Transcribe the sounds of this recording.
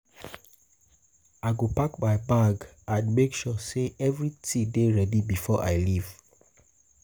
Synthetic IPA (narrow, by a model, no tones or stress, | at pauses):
aɪɡopakmaɪbaɡ | ãnmekʃɔseʔɛvɹitʰideɹɛdibifɔʔaɪliv̥